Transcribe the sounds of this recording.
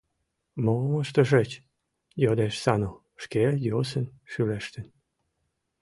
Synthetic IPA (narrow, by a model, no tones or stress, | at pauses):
moməʃt̪oʒet͡ɕ | jod̪eʃsɑno | ʃkejosənʃyleʃt̪ə̆n